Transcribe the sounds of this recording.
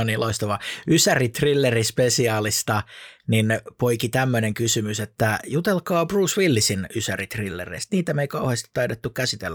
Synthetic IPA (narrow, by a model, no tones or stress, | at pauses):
oniloist̪ɑʋɑysærit̪rilːerispesiɑːlist̪ɑninpoikit̪æmːøneŋkysymyset̪ːæjut̪elkɑːbruːsʋilːisinysærit̪rilːḛrḛist̪niːt̪æmeikɑuheːst̪i̥t̪ːɑidet̪ːukkæsit̪ḛlːæ